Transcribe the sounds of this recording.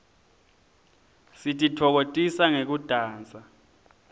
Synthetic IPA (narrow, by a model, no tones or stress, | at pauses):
sitʼitʰɔk̬otʼisaŋek̬ud̥ʱaːnt͡sʼa